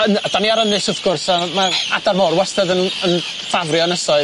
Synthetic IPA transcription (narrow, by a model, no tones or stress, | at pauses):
ənd̥aniaɾənɨsʊðɡ̥ʊrsamaadarmɔrwɛstəðənən | favrjɔnəsɔɨ